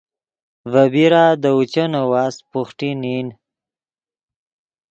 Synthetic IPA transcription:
vabiɾad̪əut͡ʃənawaːspuxʈinin

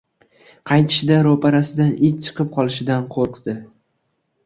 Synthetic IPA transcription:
qʰɑjt̪ʰɪʃɪd̪aɾopʰaɾasɪd̪anɪt͡ʃt͡ʃʰɨ̥qʰɨp̚qʰɒlˠɪʃɪd̪anqʰoɾqd̪ɪ

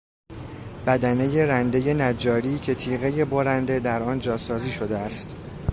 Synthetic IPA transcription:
b̥æd̪æne̞je̞ɾænd̪e̞je̞næd͡ʒɒːɾiːcʰe̞t̪ʰiːɣe̞je̞bo̞ɾænd̪e̞d̪æɾɒːnd͡ʒɒːsɒːziːʃo̞d̪eæst̪

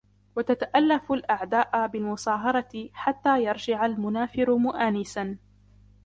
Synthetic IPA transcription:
wat̪at̪aʔalːafalʔaʕd̪aːʔabɪlmʊsˤɑːɦɑɾˤɑɪħat̪ːaːjɑɾˤd͡ʒɪʕalmʊnaːfɪɾʊmʊʔaːnɪsan

